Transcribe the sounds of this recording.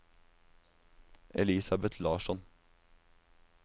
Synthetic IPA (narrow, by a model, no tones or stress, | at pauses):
ɛliːsɑbɛt̪ʰlɑːʃɔn